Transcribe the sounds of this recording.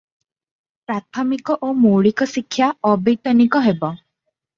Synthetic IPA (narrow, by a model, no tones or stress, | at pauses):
pɾat̪ʰɔmikɔʔomoɭikɔsikʰːjaɔbejt̪ɔnikɔɦebɔ